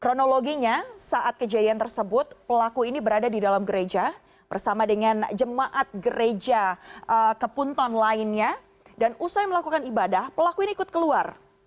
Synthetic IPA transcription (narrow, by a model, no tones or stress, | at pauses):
kɾonoloɡiɲasaʔat̪̚kəd͡ʒadiant̪ərsəbʊt̪̚pəlakuinibəɾadadidalamɡəɾed͡ʒa | b̥ərsamadəŋand͡ʒəmaʔat̪̚ɡəɾed͡ʒaəkəpunt̪ɔnlaɪnɲa | danusajməlakukanibadahpəlakuiniːkʊt̪̚kəluar